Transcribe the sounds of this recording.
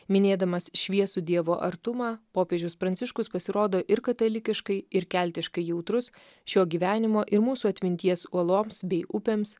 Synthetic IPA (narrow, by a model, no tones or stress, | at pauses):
mʲɪnʲeːd̪ɐmɐsʃʲʋʲiɛsʊd̪ʲiɛʋoːʔɐɾt̪ʊmɑːpoːpʲeːd͡ʒʲʊspɾɐnʲt̪sʲɪʃkʊspɐsʲɪɾoːd̪oːʔɪɾkɐt̪ɐlʲɪkʲɪʃkɐɪɪɾkʲælʲt̪ʲɪʃkɐɪjɛʊt̪ɾʊs | ʃʲoːɡʲiːʋʲæːnʲɪmoːʔɪɾmuːsuːɐt̪ʲmʲɪnʲt̪ʲiɛsuɔlˠoːmsbʲɛɪʊpʲeːms